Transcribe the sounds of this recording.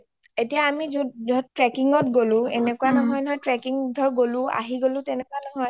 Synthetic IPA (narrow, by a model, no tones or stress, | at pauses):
etijaːmizudɔtɹɛkiŋɔtɡolʊ̃ɛ̰nɛkuwanɔɦɔjnɔjtɹɛkiŋdʱɔɹɡolʊ̃a̰ɦiɡolʊ̃tɛnɛkuwanɔɦɔj